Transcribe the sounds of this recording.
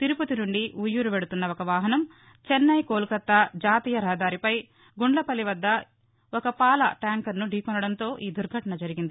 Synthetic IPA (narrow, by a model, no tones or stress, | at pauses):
t̪iɾuput̪inuɳɖiujːuɾuʋeɽut̪unːɐɔkɐʋaːɦɐnɐm | t͡ʃenːɐjkoːlukɐt̪ːɐd͡ʒaːt̪iːjɐɾaːd̪aːɾipɐj | ɡuɳɖlɐpɐliʋɐd̪ːɐ | ɔkɐpaːlɐʈaːŋkɐɾnuɖʱiːkɔnɐɽɐnt̪o̞ːʔiːd̪uɾɡʱɐʈɐnɐd͡ʒɐɾiɡind̪i